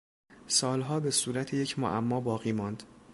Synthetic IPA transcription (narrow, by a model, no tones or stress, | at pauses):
sɒːlɦɒːbe̞suːɾæt̪ʰeje̞cʰmoʔæmːɒːbɒːɣiːmɒːnd̪̥